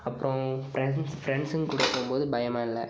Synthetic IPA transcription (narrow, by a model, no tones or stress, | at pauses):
ɐpːɯɾõfɾɛsfɾɛɳɖsɯnkʊɽɯkːompoːðɯbɐjɐmaːɪlːɐ̰